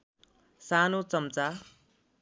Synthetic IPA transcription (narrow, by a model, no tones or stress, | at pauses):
sanot͡sʌmt͡sa